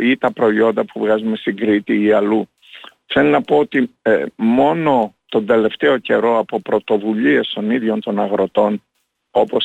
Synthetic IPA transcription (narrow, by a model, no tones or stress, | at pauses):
it̪ɐpɾo̞io̞nd̪ɐpuvɣɐzume̞st̪iŋɡɾit̪iːɐlu | θe̞linɐpo̞ot̪imo̞no̞t̪o̞nd̪e̞le̞ft̪e̞o̞ce̞ɾo̞ɐpo̞pɾo̞t̪o̞vuʎie̞st̪o̞niðʝo̞nt̪o̞nɐɣɾo̞t̪o̞n | o̞po̞s